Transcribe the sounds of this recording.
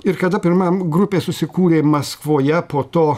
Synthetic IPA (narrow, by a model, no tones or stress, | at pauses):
ɪɾkɐd̪ɐpʲɪɾmɐmɡɾʊpʲeːsʊsʲɪkuːɾʲeːmɐskʋoːjɛpoːt̪oː